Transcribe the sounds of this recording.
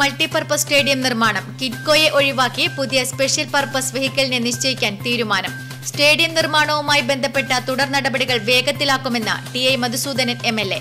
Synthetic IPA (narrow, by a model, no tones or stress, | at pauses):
mɐɭʈipɐrpɐsʈe̞ːɽijɐmnirmaːɳɐmkiʈko̞ːjeʔo̞ɻiʋaːkːipuðijɐspe̞ʂjɐlpɐrpɐsʋɐhikʲːɐlineniɕt͡ɕɐjikʲːaːnt̪iːɾumaːnɐm | sʈe̞ːɽijɐmnirmaːɳɐʋumaːjibe̞nd̪ʱɐpːe̞ʈːɐt̪uɽɐrnɐɽɐbɐɽiɣɐɭʋe̞ːɡɐt̪ːilaːkːume̞nːɐ̰ɖiɐjmɐd̪usuːd̪ɐnɐnemelːe̞